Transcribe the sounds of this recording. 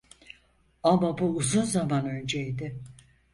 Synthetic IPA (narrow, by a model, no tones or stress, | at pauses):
amabuːzunzamanø̞nd͡ʒejd̪ɪ